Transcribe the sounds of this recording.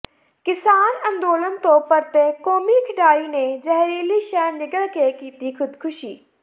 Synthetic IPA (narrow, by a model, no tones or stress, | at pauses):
kɪsaːnɐ̃nd̪oːlənt̪oːpɐɾt̪ekoːmikʰɪɖaːinẽd͡ʒɐɦɾeːliʃɛːnːɪɡəɭkekiːt̪ixʊd̪kʰʊʃiː